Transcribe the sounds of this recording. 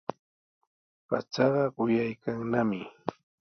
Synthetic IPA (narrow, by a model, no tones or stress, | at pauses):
pat͡ʃɑɢɑɢʊjajkaŋnamɪ